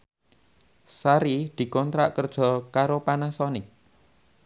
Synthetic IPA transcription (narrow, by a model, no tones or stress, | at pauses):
saɾid̪̥i̤kɔnt̪ɾaʔkərd̥ʒ̥ɔ̤kaɾopanasɔnɪk̚